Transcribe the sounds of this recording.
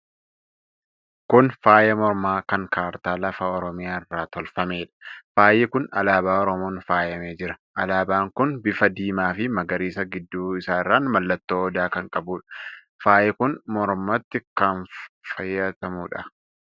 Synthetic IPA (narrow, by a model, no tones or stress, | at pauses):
kʊnfaːjɐmɔɾmaːkɐŋkaːɾt̪aːlɐfɐɔɾɔmɪjaːɪrːaːt̪ɔlfɐme̞ːᶑɐ̥faːjɛkʊnɐlaːbaːɔɾɔmoːnfaːjɐmeːd͡ʒɪɾɐ̥ʔɐlaːbaːŋkʊnbɪfɐd̪iːmaːfɪmɐɡɐɾiːsɐɡɪd̪ːuːɪsaːɪrːaːnmɐlːɐt̪ːoːd̪aːkɐŋkʼɐbuːᶑɐ̥ | faːjɛkʊnmɔɾmɐt̪ːɪkɐnfɐjːɐt̪ɐmuːᶑɐ